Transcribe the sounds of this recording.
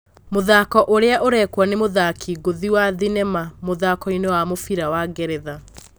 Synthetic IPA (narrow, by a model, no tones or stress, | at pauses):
moðaːkɔʔoɾeaʔoɾɛkwanemoðakʰiːɡoðiwaðinɛmamoðaːkɔinewamofiɾawaɡɛɾɛða